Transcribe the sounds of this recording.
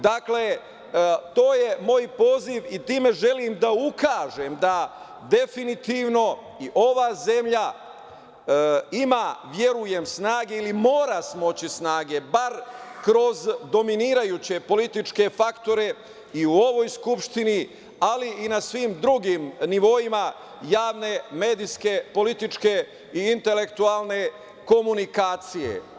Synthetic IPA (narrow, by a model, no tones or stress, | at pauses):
d̪akle̞ | t̪o̞ːje̞mo̞jpo̞ːziʋit̪iːme̞ʒe̞limd̪aukaːʒe̞md̪a | d̪e̞finit̪iːʋno̞ | iʔo̞ʋaːze̞mʎa | imaʋje̞ɾuje̞msnaːɡe̞ilimo̞ːɾasmo̞t͡ɕisnaːɡe̞baɾkɾo̞zd̪ominiːɾajut͡ɕe̞po̞lit̪it͡ʃke̞fakt̪o̞ɾe̞ | iuo̞ʋo̞jskupʃt̪ini | aliːnasʋimd̪ɾuɡimniʋo̞ima | jaːʋne̞me̞ːd̪iske̞po̞lit̪it͡ʃke̞ | iːnt̪e̞le̞kt̪ualˠne̞ | ko̞munikaːt̪sije̞̰